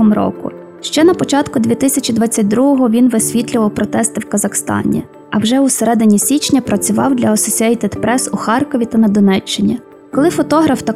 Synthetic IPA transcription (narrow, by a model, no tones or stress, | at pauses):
ɔmɾɔ̰kʊ̰ | ʃt͡ʃɛnɐpɔt͡ʃɑt̪kʊd̪ʲʋʲit̪ɪsʲɐt͡ʃʲid̪ʋɑt͡sʲːɐt̚ʲd̪ɾuɦɔɦɔʋʲinʋɪsʲʋʲit̪ʲlʲʊʋɐwpɾɔt̪ɛst̪ɪwkɐzɐxst̪ɑ̰nʲḭ | ɐwʒɛuseɾɛd̪ɪnʲisʲit͡ʃnʲɐpɾɐt͡sʲʊʋɑwd̪lʲɐɐsɔsʲiɐit̪ɛd̪pɾɛsuxɑrkɔʋʲit̪ɐnɐd̪ɔnɛt͡ʃːɪnʲi | kɔlˠɪfɔt̪ɔɦɾɐft̪ɐ